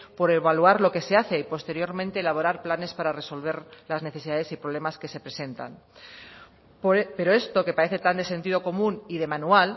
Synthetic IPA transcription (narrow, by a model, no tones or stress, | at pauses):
po̞ɾe̞βalwaɾlo̞ke̞se̞aθe̞ipo̞st̪e̞ɾjo̞ɾmẽnt̪e̞ːlaβ̞oɾaɾplane̞spaɾare̞so̞lβ̞e̞ɾlazne̞θe̞siðaðe̞sipɾoβle̞maske̞se̞pɾe̞se̞nt̪a̰n | pe̞ɾoe̞st̪o̞ke̞paɾe̞θe̞t̪and̪e̞se̞nt̪ið̞o̞ko̞mũniðe̞manual